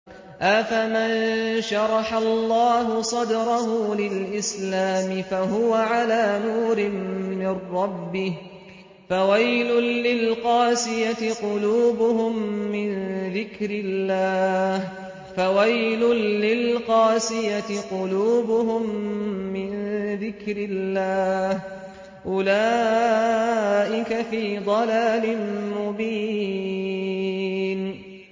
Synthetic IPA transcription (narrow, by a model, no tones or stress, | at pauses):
ʔafamanʃɑɾˤɑħalːɑːɦʊsˤɑd̪ɾˤɑɦuːlɪlʔɪslaːmɪfaɦʊwaʕalaːnuːɾɪmːɪrːɑbːɪh | fawajlʊːɪlqɑːsɪjat̪ɪqʊluːbʊhʊmːɪnðɪkɾɪlːaːh | fawajlʊnːɪlqɑːsɪjat̪ɪqʊluːbʊɦʊmːɪnðɪkɾɪlːaːh | ʔʊlaː | ʔɪkafiːd̪ˤɑlaːlɪnmʊbiː | n